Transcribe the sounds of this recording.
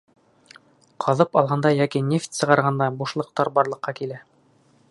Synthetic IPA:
qʰɑðɤpɑlˠʁɑnd̪ɑjækinʲeft̪sɤ̆ʁɑɾʁɑnd̪ɑbuʃlˠɤ̆q̚t̪ɑɾbɑɾlˠɤ̆qːɑkilæ

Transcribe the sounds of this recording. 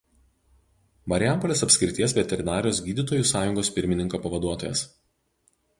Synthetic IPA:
mɐɾʲjæˑmpɔlʲeːsɐpʲsʲkʲɾɪt̪ʲiɛsʋʲɛt̪ʲɛɾʲɪnɑːɾʲɪjoːsɡʲiːd̪ʲiːˑt̪oːjusɑːjʊŋɡoːspʲɪɾʲmʲɪnʲɪŋkoːpɐʋɐd̪uɔt̪oːjɛ̰s

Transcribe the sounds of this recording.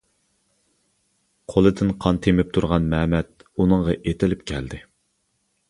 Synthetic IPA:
qʰolˠɨd̪ɪnqʰɑnt̪ʰemɪp̚t̪ʰuɾʁɑnmɛmɛt̪̚unɨŋʁɑʔet̪ɪlɪp̚kʲʰɛld̪ɪ

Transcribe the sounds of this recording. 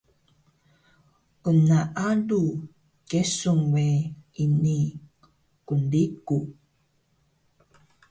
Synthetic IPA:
ʔunaʔaɖu | kesuŋweini | kundiku

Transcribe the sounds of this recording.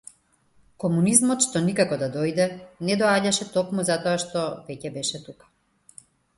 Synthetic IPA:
kɔmunizmɔt̪ʃt̪ɔnikakɔd̪ad̪ɔjd̪ɛnɛd̪ɔaɟaʃɛt̪ɔkmuzat̪ɔaʃt̪ɔvɛcɛbɛʃɛt̪ukḁ

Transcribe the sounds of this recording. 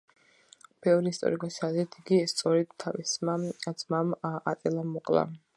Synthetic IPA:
b̥ɛvɾiist̪ʼɔ̰ɾikʼasad̪ɛt̪ʰiɡist̪sʼɔɾɛd̪t̪ʰːavismasmamat̪ʼɛlˠamɔqʼlˠa̰

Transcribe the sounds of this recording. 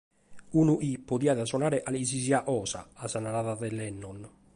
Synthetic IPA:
unuʔipːoðiːaðasɔnaːɾeʔaliziziaʔɔːsa̰asanaɾaðaðɛlɛnːɔn

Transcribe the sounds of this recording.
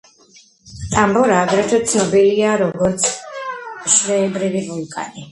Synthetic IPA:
t̪ʼambɔɾaːɡɾɛt̪ʰat̪sʰnɔbiliaɾɔɡɔɾt̪sʰ | ʃɾɛːbɾiviʁukʼa̰ni

